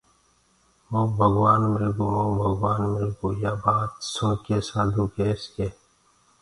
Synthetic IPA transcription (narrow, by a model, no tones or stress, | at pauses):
oːbʱɐɡwaːnmɪlɡoːoːbʱɐɡwaːnmɪlɡoːjaːbaːt̪sõːkeːsaːd̪ʱuːkeːskeː